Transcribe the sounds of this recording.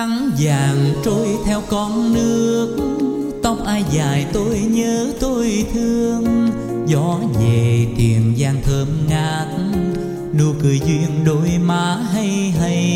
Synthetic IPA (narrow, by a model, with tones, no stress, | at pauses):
a˨˦ŋzaː˨˩ŋt͡ɕo˧jt̪ʰɛ˧wkɔ˧nnɨ˧əək̚ | t̪ə˧wŋ͡mʔaː˧jzaː˨˩jt̪o˧jɲəː˨˦t̪o˧jt̪ʰɨ˧əŋ | zɔ˨˦ze˨˩t̪ḭ˨˩ənzaː˧ŋt̪ʰəː˧mŋaː˧˩t̚ | nu˧kɨ˨˩əjzwi˧ənɗo˨˧˦jmaː˨˦ɦa˧jɦa˧j